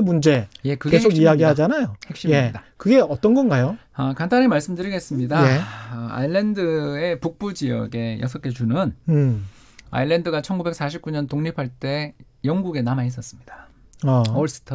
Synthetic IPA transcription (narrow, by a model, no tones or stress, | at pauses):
mund͡ʑe̞je̞kɯɡkesʰoɡijaɡiɦad͡ʑanajohe̞kɕ͈ijeidakɯɡe̞ʌt͈ʌnɡʌnɡajo | ʌkantʰanemaɭs͈ɯmdɯɾiɡe̞s͈ɯmɲidaea̰iɭːe̞ndɯe̞puk̚p͈ud͡ʑijʌɡe̞jʌ̰s̬ʰʌk͈e̞t͡ɕunɯn | a̰iɭːe̞ndɯɡat͡ɕʰʌnɡube̞k̚s͈aɕʰip̚k͈uɲʌntoŋɲipʰaɭt͈e̞ | jʌŋɡuɡe̞namais͈ʌs͈ɯmɲid̥a | aʌɭs͈ɯ̥tʰʌ